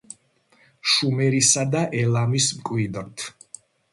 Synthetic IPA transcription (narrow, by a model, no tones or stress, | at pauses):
ʃumɛɾisad̪aʔɛlˠamismkʼwid̪ɾt̪ʰ